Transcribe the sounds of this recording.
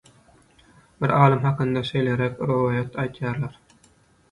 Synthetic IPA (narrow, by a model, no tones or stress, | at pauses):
bɪɾɑːlˠɯmɦɑqɨnd̪ɑʃejleɾækʲɾuwɑːjat̪ʰɑjt̪ʰjɑɾlɑɾ